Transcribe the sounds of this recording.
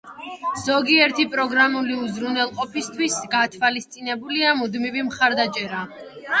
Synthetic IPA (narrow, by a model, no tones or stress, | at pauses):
z̥ɔɡiɛɾt̪ʰipʼɾɔɡɾamuliuzɾunɛlˠqʼɔpʰist̪ʰwisɡat̪ʰvalist̪sʼinɛbuliamud̪mivimχaɾd̪at͡ʃʼɛɾa